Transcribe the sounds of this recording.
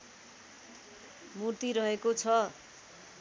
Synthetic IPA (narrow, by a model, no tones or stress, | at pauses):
murt̪iɾʌɦekot͡sʰʌ